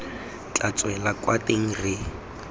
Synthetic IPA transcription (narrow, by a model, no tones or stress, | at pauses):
t͡ɬat͡sʼwɛlakʼwatʼeŋ̩rɪ